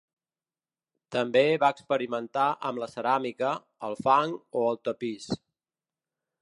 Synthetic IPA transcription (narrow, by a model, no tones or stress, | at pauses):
t̪əmbeβaəkspəɾimənt̪aʔəmləsəɾamikəː | lˠfaŋoəlˠt̪əpis